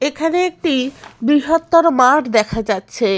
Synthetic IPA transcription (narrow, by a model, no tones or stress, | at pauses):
ekʰaneek̚ʈibɾiɦot̪ːoɾmaʈd̪ɛkʰad͡ʑatːɕʰe